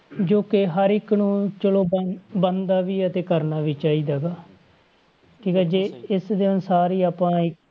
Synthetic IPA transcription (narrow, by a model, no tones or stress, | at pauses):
d͡ʒoːkɪɦəɾɪkːnũːt͡ʃəloːbənd̪aːʋiːət̪eːkəɾnaːʋiːt͡ʃaːiːd̪aːɡaː | kʰiːkɛːd͡ʒeːɪsd̪ensaːɾiːaːpãːɪk